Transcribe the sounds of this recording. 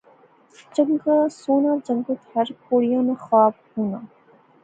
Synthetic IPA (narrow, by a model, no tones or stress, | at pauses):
d͡ʒɐŋɡasuːnaːd͡ʒɐŋɡot̪hɐɾkoːɽijãːnaxaːbhuːna